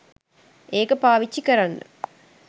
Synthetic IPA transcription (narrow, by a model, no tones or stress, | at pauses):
eːkɐpaːʋit͡ʃːikɐɾɐnɨ̰